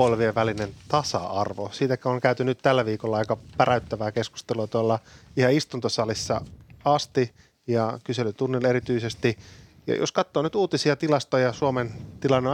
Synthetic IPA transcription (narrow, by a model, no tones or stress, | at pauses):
olʋieʋʋælinent̪ɑsɑ̰ɑrʋosiːt̪ækæoŋkæyt̪ynːyt̪t̪ælːæʋiːkolːɑɑikɑpæræyt̪ːæʋæːkesku̥st̪eluɑt̪uɑlːɑihɑist̪unt̪osɑlisːɑ̰ɑst̪i | jɑkyselyt̪unːileɾit̪yisest̪i | jɑ̰jʔo̰skɑt̪ːoːnyt̪uːt̪isiɑt̪ilɑst̪ojɑsuoment̪ilɑnːe